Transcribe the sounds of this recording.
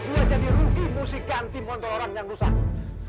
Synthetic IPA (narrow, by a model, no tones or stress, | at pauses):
duad͡ʒadirukimusikant̪imɔnt̪ɔɾoɾaŋjaŋlusan